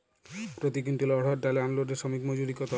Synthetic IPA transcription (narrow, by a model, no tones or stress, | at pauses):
pɾot̪ikinʈilɔɽ̤ɔɾɖaleanloɖeɾʃomikmod͡ʑuɾikɔt̪a